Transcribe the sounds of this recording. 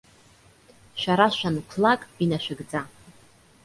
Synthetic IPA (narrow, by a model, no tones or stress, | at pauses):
ʃʷᶣaɾaʃʷᶣankʷʰlakʼinaʃᶣɪɡd͡za